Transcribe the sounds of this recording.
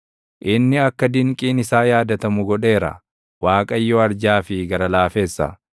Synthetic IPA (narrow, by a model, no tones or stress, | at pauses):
ʔɪnːɪɐkːɐd̪ɪŋkʼiːnɪsaːjaːd̪ɐt̪ɐmʊɡɔᶑe̞ːɾɐ̰ | waːkʼɐjːɔɐɾd͡ʒaːfɪɡɐɾɐlaːfe̞ːsːɐ̰